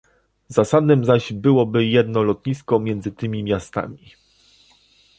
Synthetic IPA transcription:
zasad̪nɘmzaʑbɘwɔbɘjɛd̪nɔlɔt̪ɲiskɔmʲjɛnd̪zɘt̪ɘmʲimʲjast̪a̰mʲi

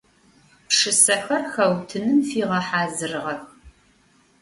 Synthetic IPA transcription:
pʂɨsɐħʷɐrxɐwtʰɨnɨmfiːʁɐħaːzɨrʁɐp̚

